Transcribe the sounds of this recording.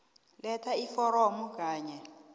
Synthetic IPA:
lɛtʰaifɔɾɔmuk̬aːɲɛ

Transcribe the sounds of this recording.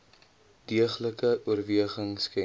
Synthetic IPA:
d̥iəχləkəuərviəχəŋskɛ

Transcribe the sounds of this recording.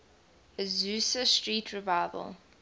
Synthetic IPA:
əzʉːsəstɹiːtʰɹəvaɪvə̰lˠ

